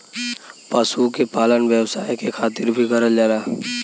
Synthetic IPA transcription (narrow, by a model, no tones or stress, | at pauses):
pasukepaːlənʋjəʋsaːekekʰaːt̪ɪɾbʱiɡʱəɾəld͡ʒaːɾaː